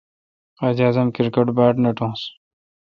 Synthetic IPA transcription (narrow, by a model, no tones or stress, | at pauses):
qad͡ʑaːzɐmkiɾkɐʈbaːʈnɐʈõːs